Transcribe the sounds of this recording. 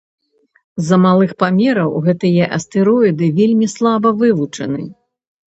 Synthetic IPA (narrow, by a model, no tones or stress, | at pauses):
zɐmalˠɨxpamʲɛɾɐwɣɛt̪ɨjɛʔɐ̰st̪ɨɾɔid̪ɨvʲelʲmʲislˠabɐvɨvut͡ʂɐ̰nɨ̰